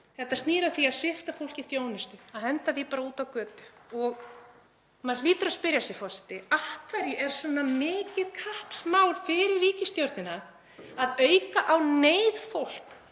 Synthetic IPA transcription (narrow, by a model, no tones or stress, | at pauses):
θɛht̪ast̪niːɾaθiaðsvɪft̪afowl̥ciθjoːwnɪst̪ʏaðhɛnt̪aθipaːɾauːt̪awkœːt̪ʏ̥ɔɣ | maðliːt̪ʏɾaspɪɾjasjɛfɔsɛ̥t̪ɪaftkʰvaɾjɪʔɛɾ̥svɛnːamɪːcɪðkʰahpsmaːwɾ̥fɪɾɪɾːiːcɪst̪jowɾt̪nɪna | aðœːɥkaʔawneːjðfowl̥k